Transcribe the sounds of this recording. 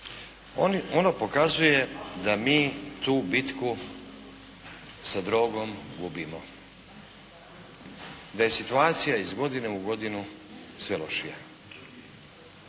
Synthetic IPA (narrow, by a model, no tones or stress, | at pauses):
ononopo̞kazuje̞d̪amiːt̪uːbit̪ku | sad̪ɾo̞ːɡo̞mɡubimo̞ | d̪aje̞sit̪uaːt̪sijaizɡo̞d̪ine̞uɡo̞d̪inu | sʋe̞lo̞̰ʃija